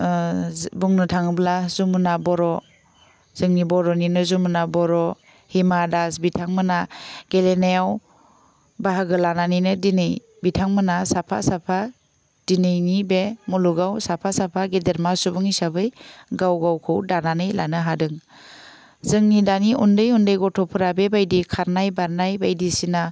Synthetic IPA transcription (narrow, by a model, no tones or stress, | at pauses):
buŋnɯtʰaŋɯblazumɯnabɔɾɔ | z̥ɯŋnibɔɾɔninɯzumunabɔɾɔ | himadasbitʰaŋmɯnaɡ̥elenejaw | baɦaɡɯlananɯjnɯdinɯj | bitʰaŋmɯnasapʰa̰sapʰa | d̥inɯjnibemuluɡawsapʰasapʰaɡedeɾmasubɯŋisabɯjɡawɡawkʰɯwdananɯjlanɯɦadɯŋ | z̥ɯŋnidaniʔundɯjundɯjɡɔtʰɔpʰɯɾabebajdikʰaɾnajbaɾnajbajdisina